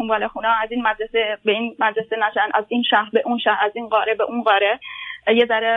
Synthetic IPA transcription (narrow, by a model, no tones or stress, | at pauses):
unmvɒːlexuːnɒːæziːnmæd̪ɾesebeinmæd̪ɾesenæʃænæziːnʃæhɾbeʔunʃæhæziːnɢɒːɾebeʔunɢɒːɾejezæɾe